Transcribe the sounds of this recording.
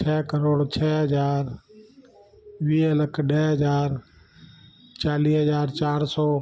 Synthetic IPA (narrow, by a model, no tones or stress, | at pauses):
t͡ʃʰɛːkəɾoːɽt͡ʃʰɛːɦəd͡ʒaːɾ | ʋiːələkʰɖɛːɦəd͡ʒaːɾ | t͡ʃaːliːɦəd͡ʒaːɾt͡ʃaːɾsɔː